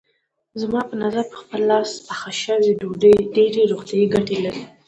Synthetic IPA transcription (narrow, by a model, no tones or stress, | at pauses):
zmɑpənazaɾpə̥xpəlːɑsaxaʃəweɖoɖəɖeɾeɾoɣt̪jɑjiɡaʈelaɾi